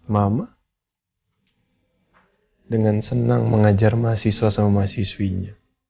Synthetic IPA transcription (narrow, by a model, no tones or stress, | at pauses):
mama | dəŋansənaŋməŋad͡ʒarmaasiswasamamasiswiɲa